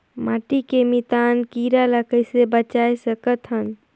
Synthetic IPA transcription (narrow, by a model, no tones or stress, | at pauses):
maʈikemit̪ankiɾaləkəjsebət͡ʃajsəkət̪ɦən